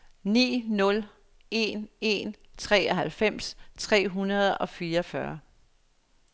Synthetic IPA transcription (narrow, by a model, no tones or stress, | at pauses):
nḭːnɔ̽l | e̝ne̝nt͡sʰʁɛ̰ːɒɦælfem̰st͡sʰʁɛ̰ːɦunɐð̞ˠɒ̽fiːɐɒfɶɐ